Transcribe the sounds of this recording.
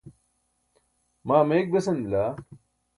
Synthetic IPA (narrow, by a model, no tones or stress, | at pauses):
maːmeːk̚bɐsɐnilaː